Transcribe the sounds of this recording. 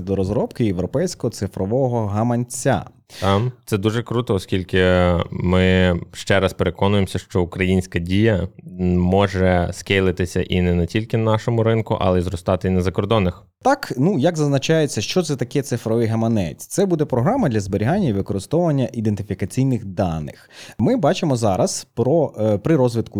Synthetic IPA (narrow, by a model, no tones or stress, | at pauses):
d̪ɔɾɔzɾɔpkɪjeʋɾɔpɛjsʲkɔɦɔt̪sɪfɾɔʋɔɦɔɦɐmɐnʲt͡sʲːa̰ | t̪amt̪sɛd̪uʒɛkɾut̪ɔːskʲilʲkɪmɪʃt͡ʃɛɾaspeɾekɔnʊjemsʲɐʃt͡ʃɔʊkɾɐjinʲsʲkɐdʲijɐ | mɔʒɛskejlˠɪt̪ɪsʲɐʔinɛnɛtʲilʲkɪnɑʃɔmʊɾɪnkʊ̰ʔɐ̰lˠɛizɾɔst̪ɑt̪ɪinɛzɐkɔrd̪ɔnːɪx | t̪ɑknujɐɡzɐznɐt͡ʃɑjet͡sʲːɐʃt͡ʃɔt̪ɛt̪ɐkɛt̪sɪfɾɔʋɪɦɐmɐnɛ̰t͡sʲt̪sɛbud̪ɛpɾɔɦɾɑmɐd̪lʲɐzbeɾʲiɦanʲːɐiʋɪkɔɾɪst̪ɔʋɐnʲːɐʔid̪ent̪ɪfʲikɐt͡sʲijnɪxd̪ɑnɪ̰xmɪbɑt͡ʃɪmɔzɑɾɐspɾɔpɾɪɾɔzʲʋʲɪd̪kʊ